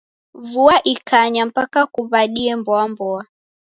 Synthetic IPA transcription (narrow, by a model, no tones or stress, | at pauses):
vuaʔikʰaɲam̩pakakuβaɗiɛmbɔambɔa